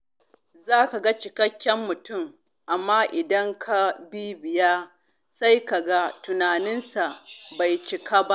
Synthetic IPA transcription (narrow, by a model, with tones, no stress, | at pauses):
zaː˦ka˨ɡa˦t͡ʃɪ˨kɐ˦kʲːɛ˦mːʊ˨tʊ˦˨m | ʔa˨mːaː˦ʔɪ˨dɐ˦ŋkʰa˨bi˦bɪ˨ja˦ | sa˦jka˨ɡa˦tʊ˨naː˨nɪ˦nsa˨ʔba˨jt͡ʃɪ˨kaː˦ba˦ʔ